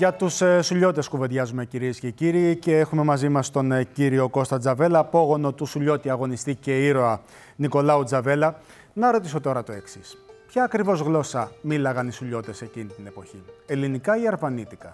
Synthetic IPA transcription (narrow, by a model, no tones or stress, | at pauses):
ʝɐt̪ussuʎo̞t̪e̞skuve̞ðʝɐzume̞ciɾiesce̞ciɾiːceexume̞mɐzimɐst̪o̞nciɾio̞ko̞st̪ɐd͡zɐve̞lɐpo̞ɣo̞no̞t̪usuʎo̞t̪iɐɣo̞nist̪ice̞iɾo̞ɐ | niko̞lɐud͡zɐve̞lɐ | nɐɾo̞t̪iso̞t̪o̞ɾɐt̪o̞e̞ksispçɐːkɾivo̞zɣlo̞sɐmilɐɣɐnisuʎo̞t̪e̞se̞cinit̪ine̞po̞çie̞linikɐiɐɾvɐnit̪ikɐ